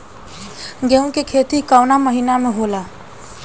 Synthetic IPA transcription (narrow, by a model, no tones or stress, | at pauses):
ɡeũkekʰet̪ikaʊnaməɦinameɦola